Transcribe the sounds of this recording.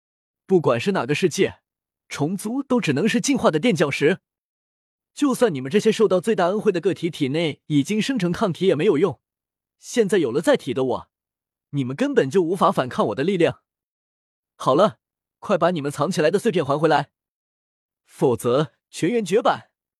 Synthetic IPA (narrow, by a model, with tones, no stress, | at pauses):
pu˥˩kwa˨˩nʂɻ̩˥˩na̰˨˩ɡə˦ʂɻ̩˥˧t͡ɕjɛ˥˩ | ʈ͡ʂʰʊ˧˥ŋt͡su˥t̪o˥ʊʈ͡ʂɻ̩˨˩nɤ˧˥ŋʂɻ̩˥˧t͡ɕi˥˧nxwa˥˩d̪ə˩t̪jɛ˥˧nt͡ɕjɑ˥˩ʊʂɻ̩˧˥ | t͡ɕjo˥˧ʊswa˥˩ni˨˩mə˦nʈ͡ʂɤ˥˩ɕjɛ˥ʂo˥˧ʊt̪ɑ˥˧ʊt͡swe˥˧ɪt̪a˥˧ə˥nxe˥˩ɪd̪ə˩k̬ɤ˥˩t̪ʰi˧˥t̪ʰi˨˩ne˥˩ɪi˨˩t͡ɕi˥ŋʂɤ˥ŋʈ͡ʂʰɤ˧˥ŋkʰɑ˥˩ŋt̪ʰi˧˥jɛ˨˩me˧˥ɪjo˨˩ʊjʊ˥˩ŋ | ɕjɛ˥˧nt͡sa˥˩ɪjo˨˩ʊlə˦t͡sa˥˩ɪt̪ʰi˨˩d̪ə˦˥wɔ̰˨˩˦ | ni˨˩mə˧˦nkə˥npə˨˩nt͡ɕjo˥˩ʊu˧˥fa˧˥fa˨˩nkʰa˥˩nwɔ˨˩d̪ə˦li˥˧ljɑ˥˩ŋ | xɑ˨˩ʊlə˦ | kʰwa˥˩ɪpa˧˥ni˨˩mə˦nt͡sʰɑ˧˥ŋt͡ɕʰi˨˩la˧˥ɪd̪ə˧swe˥˧ɪpʰjɛ˥˩nxwa˧˥nxwe˧˥ɪla˧˥ɪ | fo˨˩t͡sɤ˧˥ | t͡ɕʰɥɛ˧˥nɥɛ˧˥nt͡ɕɥɛ˧˥pa˨˩˦n